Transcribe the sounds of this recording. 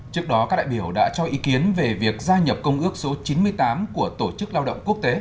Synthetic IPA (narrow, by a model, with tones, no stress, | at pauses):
t͡ɕɨ˦˥ək̚ɗɔ˨˦kaː˦˥k̚ɗa̰ː˧˨jɓi˧˩əwɗa̰ː˧˥t͡ɕɔ˧ʔi˨˦ki˨˦ənve˨˩vi˨˩ək̚zaː˧ɲə˨˩p̚kə˧wŋ͡mʔɨ˦˥ək̚so˨˦t͡ɕi˨˦nmɨ˧əjt̪aː˨˦mku˧˩ət̪o˧˩t͡ɕɨ˦˥k̚laː˧wɗə̰˧˨wŋ͡mku˦˥ək̚t̪e˨˦